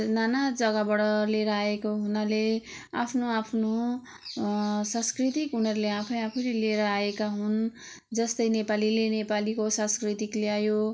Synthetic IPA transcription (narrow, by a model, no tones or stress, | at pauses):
nanad͡zʌɡʌbʌɽʌleɾʌaekoɦunalea̰pʰnoapʰno | sãskrit̪ikɦunʌɾleapʰʌ̃j̃apʰijɾeleɾʌaekaɦun | d͡zʌst̪ʌjnepalilenepalikosãskrit̪ikleajo